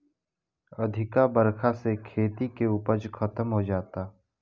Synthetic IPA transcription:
ɐd̪ʱɪkabəɾkʰasekʰeːt̪ikeuːpəd͡ʒkʰət̪əmɦod͡ʒaːt̪aː

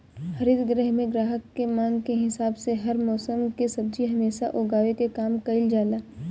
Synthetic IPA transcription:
hɐɾɪd̪ɡɾɛɦmẽɡɾaːɦəkːemãːŋɡkeɦɪsaːbseɦɐɾmɔːsəmkesɐb̚d͡ʒiɦɐmeːsaʔoːɡaːʋekekaːmkɐɪld͡ʒaːlaː

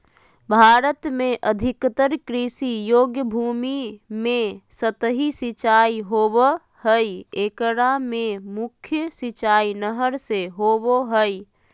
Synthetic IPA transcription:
bʱaːɾət̪mẽʔəd̪ʱɪkt̪əɾkɾisijoːɡjəbʱuːmimẽsət̪ɦisɪt͡ʃaːiɦoːb | həiekəɾamẽmʊkʰjəsɪt͡ʃaːinəɦəɾseɦoːboɦəi

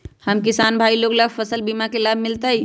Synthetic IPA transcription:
həmkisanbʱailoɡləɡpʰəsəlbimakelabʱmilt̪əj

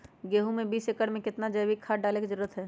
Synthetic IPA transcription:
ɡeːɦũmẽbiːsekəɽmẽkɪt̪nad͡ʒəjbikʰaːɖaːleked͡ʒəɾuːɾət̪ɦɛː

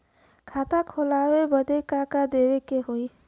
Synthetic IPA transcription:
kʰaːt̪akʰolaːwebəd̪ekakad̪eːwekeɦoi

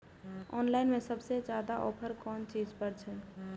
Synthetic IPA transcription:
ɔnlaɪnmẽsəbsed͡ʒad̪aʔɔpʰəɾkɔnt͡ʃid͡ʒpəɾt͡ʃʰɛ

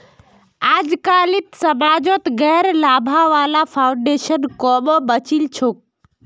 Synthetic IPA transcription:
aːd͡ʒkaːlɪt̪səmaːd͡ʒot̪ɡɛːɾlaːbʱaʋaːlapʰaːʊɳɖeːʃənkɔːɓobət͡ʃilt͡ʃʰok̚

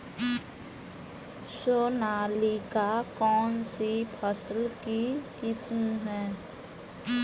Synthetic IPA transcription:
soːnaːlikakɔːnsipʰəslkikɪsmɦɛː

